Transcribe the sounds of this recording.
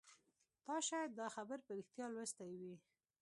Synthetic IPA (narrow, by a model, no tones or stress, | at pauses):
t̪ɑʃɑjad̪ːɑxabəɾpəɾixt̪jɑlwɾəst̪ajwi